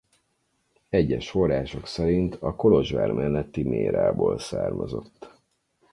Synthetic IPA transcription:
ɛɟːɛʃfo̞rːaːʃo̞ksɛɾint̪ʰɒko̞lo̞ʒʋaːrmʔɛnːɛt̪ːimeːɾaːboːlsaːrmɒzo̞t̪ː

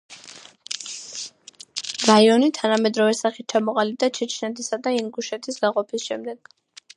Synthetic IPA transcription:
ɾaiɔnit̪ʰanamɛd̪ɾɔvɛsaχit̪̚t͡ʃʰamɔqʼalib̚d̪at͡ʃʰɛt͡ʃʰnɛt̪ʰisad̪aiŋɡuʃɛt̪ʰisɡaqʼɔpʰisʃɛmd̪ɛɡ̥

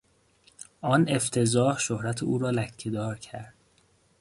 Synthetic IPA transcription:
ʔɒːne̞ft̪ʰe̞zɒːhʃohɾæt̪ʰeuːɾɒːlæcʰːed̪ɒːɾcʰæɾd̪̥

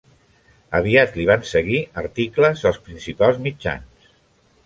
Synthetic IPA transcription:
əβ̞iat̪liβ̞ansəɣiəɾt̪ikləzəlˠspɾinsipalˠzmid͡ʒa̰ns

